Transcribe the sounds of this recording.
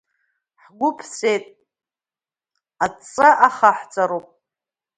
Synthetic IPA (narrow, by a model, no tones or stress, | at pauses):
ħɡʷʊpʰt͡sʷʰejtʼ | at͡sʼaʔaχaħt͡sʼaɾupʼ